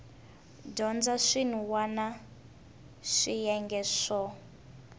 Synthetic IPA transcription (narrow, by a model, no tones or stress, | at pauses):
dɔnd͡zaʂin̤uwana | ʂijɛŋɡɛʂɔ